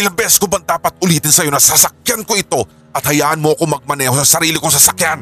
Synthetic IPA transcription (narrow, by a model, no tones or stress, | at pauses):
ʔɪlɐŋbɛsskobɐnd̪aːpɐt̪̚ʔʊliːt̪ɪnsɐjo̞nɐsɐsɐk̚jankoʔɪt̪o̞ | ʔɐt̪̚hɐjaːʔɐnmoʔɐko̞ŋmɐɡ̚mɐnɛːhosɐsɐɾiːlɪkoŋsɐsɐkjan